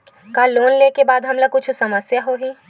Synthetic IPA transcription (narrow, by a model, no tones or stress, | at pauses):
kaːloːnleːkebaːd̪ɦɐmlɐkʊt͡ʃʰusɐməsjaɦoɦiː